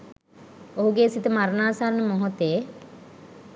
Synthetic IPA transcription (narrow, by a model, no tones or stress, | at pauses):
oɦuɡeːsit̪əmaɾnaːsaɾnəmoɦot̪eː